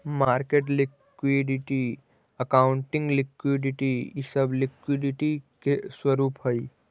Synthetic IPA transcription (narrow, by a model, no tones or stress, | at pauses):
maːɾkeːʈ̬lɪk | wiɖɪʈi | əkaːʊɳʈɪ̃ŋɡlɪkwiɖɪʈijisəblɪkwiɖɪʈikeswəɾuːpɦoi